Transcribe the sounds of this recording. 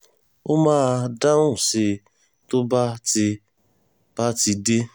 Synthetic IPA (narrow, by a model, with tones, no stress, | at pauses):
o˦maː˦da˦ʊ̃˦˨sɪ˧ | to˦ba˦ti˧ | b̥a˦ti˧de˦